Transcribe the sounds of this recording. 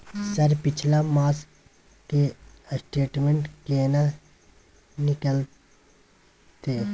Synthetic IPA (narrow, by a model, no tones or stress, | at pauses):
səɾpɪt͡ʃʰlamaːs | ke | sʈeːʈmẽɳʈkeːna | nɪkəl | t̪eː